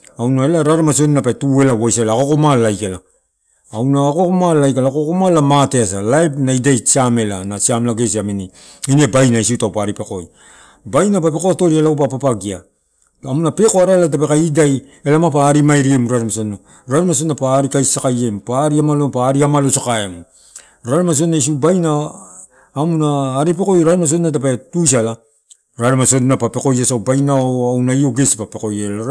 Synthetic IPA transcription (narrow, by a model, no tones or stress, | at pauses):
awnaelaɾaɾamas̬o̞nnapetue̞lawojsaelako̞komalajkelaː | wnaːkokomalajkalakokomalamateas̬alajpnaidajsiame̞lanasiamlaɡe̞s̬iamini | ine̞bajnais̬iutawpaɾipe̞ko̞j | bajnapapekoato̞ɾielaupapapaɡia | amunape̞koaɾalat̬ape̞kaidaj | elamapaːɾimajɾiemɾaɾmasonna | ɾaɾemas̬onapaːɾikajsakaje̞mpaːɾiamalopaːɾiamalosakaem | ɾaɾemas̬onːas̬iubajnaː | munaːɾip̬e̞ko̞jɾaɾemas̬odnat̬apetus̬ala | ɾaɾemaso̞dnapape̞ko̞jasawbajnaoawnaio̞ɡespape̞ko̞jela